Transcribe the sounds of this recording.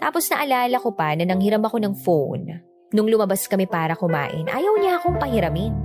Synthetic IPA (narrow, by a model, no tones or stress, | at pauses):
t̪aːpo̞snɐʔɐlaːlɐko̞pɐnɐnɐŋhɪɾamɐko̞nɐŋfown | nʊŋlʊmɐbaskɐmɛpaːɾɐkʊma̰ːʔɪnʔa̰ːjɐwɲaʔɐko̞ŋpɐhɪɾɐmɪn